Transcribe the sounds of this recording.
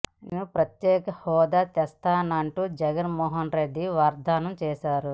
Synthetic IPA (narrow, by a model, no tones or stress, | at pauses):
nupɾɐt̪jɛːkɐhɔːd̪aːt̪ɛst̪aːnɐɳʈuːd͡ʒɛɡɐnmɔːɦɐnɾeɖːiʋaːɾd̪ʱaːnɐmt͡ʃɛːʃaːɾu